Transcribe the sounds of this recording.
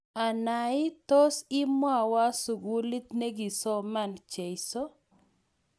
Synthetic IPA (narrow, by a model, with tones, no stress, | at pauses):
a˨na˨ɪ˦t̪o˦sɪ˦mwa˦˨wa˦su˨ɡu˨li˦t̪ne˦ɡi˨sɔ˦ma˦nt͡ʃe˨jsɔ˦